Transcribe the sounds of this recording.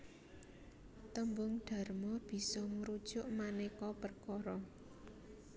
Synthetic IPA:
t̪əmbʊŋɖ̪̥ä̤rmɔb̥i̤sɔməɾud̥ʒ̥ʊʔmanekɔpərkɔɾɔ

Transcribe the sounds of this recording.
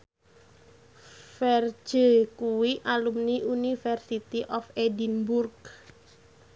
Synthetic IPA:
fɛr̥ʒ̥əkuwiʔalumniʔunifɛrsit̪iʔɔfedinburk

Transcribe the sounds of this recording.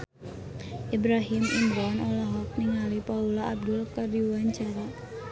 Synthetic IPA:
ibɾaɦɪminɾɔnolaɦɔk̚niŋalipaulɔab̚dʊlkardiwaɲt͡ʃaɾa

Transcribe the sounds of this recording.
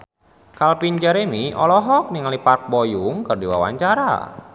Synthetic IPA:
kalpind͡ʒɛɾemiʔɔlɔɦɔk̚niŋalipark̚bojuŋkɨrdiwa̰wa̰ɲt͡ʃaɾa̰

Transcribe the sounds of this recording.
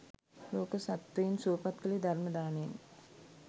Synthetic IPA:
loːkəsat̪ʋɐjinsuːpat̪kəlid̪ʱarməd̪aːnein

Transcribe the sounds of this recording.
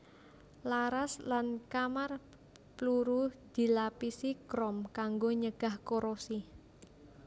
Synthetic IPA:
laɾaslankamar | pluɾud̪̥i̤lapisikɾɔmkaŋɡoɲəɡ̥a̤hkoɾosi

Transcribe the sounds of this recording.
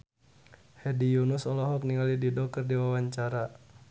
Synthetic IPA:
hɛdijunusɔlɔɦɔk̚niŋalididɔk̚ərdiwawaɲt͡ʃaɾa

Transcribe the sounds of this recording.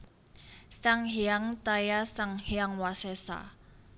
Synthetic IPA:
saŋɦiaŋt̪ajasaŋɦeaŋwasɛsa̰

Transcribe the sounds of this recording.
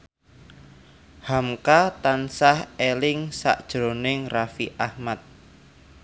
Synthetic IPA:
hamkat̪ansahelɪŋsa̰ʔd̥ʒ̥ɾonɪŋrafiʔahmat̪̚

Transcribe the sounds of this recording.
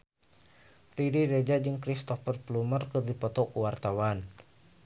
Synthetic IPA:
riɾiɾed͡ʒad͡ʒɨŋkɾist̪ɔfərplumərkɨrdipɔt̪ɔkuwart̪awan

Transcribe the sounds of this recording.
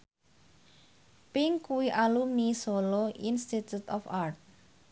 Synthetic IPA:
piŋkuiʔalumnisoloʔinst̪it̪jut̪ɔfart̪̚

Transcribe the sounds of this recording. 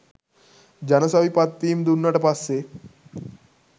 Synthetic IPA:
d͡ʑanəsaʋipat̪ːiːmd̪unːaʈəpasːe

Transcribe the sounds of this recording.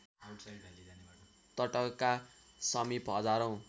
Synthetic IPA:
n | t̪ʌʈʌkkːasʌmipɦʌd͡zaɾʌw̃

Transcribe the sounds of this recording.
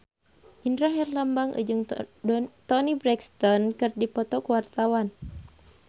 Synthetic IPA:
ʔindɾaɦɛrlambaŋʔə̰d͡ʒɨŋ | t̪ɔnibɾɛkst̪ɔnkɨrdipɔt̪ɔkuwart̪awan

